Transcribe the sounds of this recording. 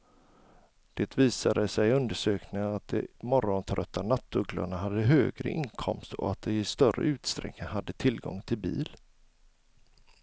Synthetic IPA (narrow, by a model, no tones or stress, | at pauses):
d̪̥eːt̪viːsad̪əsɛjɵnd̪əʂøːknɪŋənat̪̚d̪ɛmɔɾɔnt̪ʰɾœt̪ʰːanat̪ːɵɡla̰ɳaɦad̪ːəɦøːɡɾə̰ʔɪŋkʰɔmst̪ɔ̰at̪̚d̪ɛɪst̪œrːə̰ʉ̟ːt̪st̪ɾɛ̰knɪŋhad̪ːət̪ʰɪlɡɔ̰ŋt̪ʰɪlbḭːl